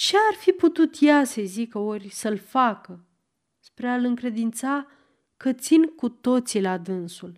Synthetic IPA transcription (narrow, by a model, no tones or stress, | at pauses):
t͡ʃearfiput̪ut̪jasəjzikəorʲsəlfakə | spɾealɨŋkɾe̞d̪int̪sa | kət̪sinkut̪o̞t̪silad̪ɨnsul